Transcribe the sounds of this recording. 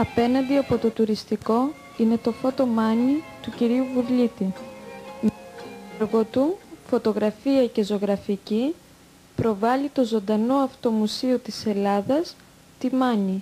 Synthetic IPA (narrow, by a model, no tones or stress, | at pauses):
ɐpe̞nɐnd̪iɐpo̞t̪o̞t̪uɾist̪iko̞ | ine̞t̪o̞fo̞t̪o̞mɐnit̪uciɾiuvuvʎit̪i | meɾɣo̞t̪ufo̞t̪o̞ɣɾɐfiɐce̞zo̞ɣɾɐfici | pɾo̞vɐlit̪o̞zo̞nd̪ɐno̞ɐft̪o̞musiot̪ise̞lɐðɐs | t̪imɐni